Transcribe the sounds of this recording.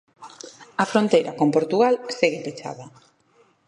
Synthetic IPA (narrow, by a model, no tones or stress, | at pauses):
ɐfɾont̪ejɾɐkompoɾt̪uɣalseɣɪpet͡ʃa̰ðɐ